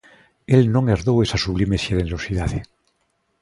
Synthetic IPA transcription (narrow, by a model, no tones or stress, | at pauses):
elnõŋeɾðowesasuβlimesjeleneɾosiðaðe